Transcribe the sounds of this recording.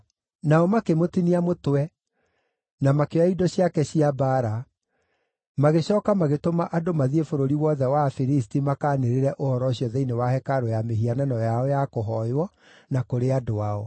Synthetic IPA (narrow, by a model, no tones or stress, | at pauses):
naɔmakemotiniamotwɛ | namakeaidɔɕiakɛɕiabaɾa | maɣeɕɔːkamaɣetomaʔadomaðiefoɾoɾiwɔðɛwafiɾis̬timakaːneɾeɾɛʔohɔɾɔɕjɔðeinewahɛkaɾojameɦianɛnɔjaɔjakoɦɔjwɔ | nakoɾeadoaɔ